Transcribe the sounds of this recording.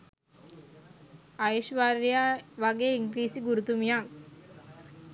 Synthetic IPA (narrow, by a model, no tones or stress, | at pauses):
ajiʃʋaɾijaʋaɡeːiŋɡɾiːsiɡuɾut̪umijaŋ